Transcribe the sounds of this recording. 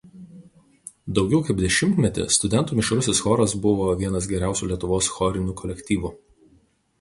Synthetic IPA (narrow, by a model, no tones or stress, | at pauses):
d̪ɒʊɡʲɛʊkɐɪpb̚d̪ʲɛʃʲɪmʲt̪ʲmʲɛt̪ʲɪ̰st̪ʊd̪ʲɛnt̪uːmʲɪʃɾʊsʲeːsxɔːɾɐsbʊʋoːʋʲiɛnɐs̬ɡʲɛɾʲæˑʊsʲuːlʲiɛt̪ʊʋoːsxɔɾʲɪnʲuːkɔlʲɛkʲt̪ʲiːʋuː